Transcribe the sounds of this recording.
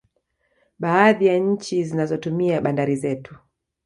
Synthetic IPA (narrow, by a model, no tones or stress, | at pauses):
ɓaːðijaɲ̩t͡ʃizinazɔtumiaɓandaɾizɛtu̥